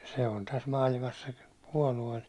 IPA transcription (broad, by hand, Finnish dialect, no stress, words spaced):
se on tæs mɑːlimɑs se puɒlue